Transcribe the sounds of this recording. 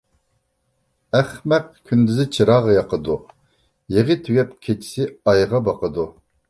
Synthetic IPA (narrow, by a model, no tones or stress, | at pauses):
æχmɛq̚kʲʰynd̪yzɪt͡ʃʰiɾɑːʁɑjɑqəd̪u | jeʁɨt̪ʰyɡʲɛpkʲʰet͡ʃʰi̥sɪɑjʁɑbɑqəd̪u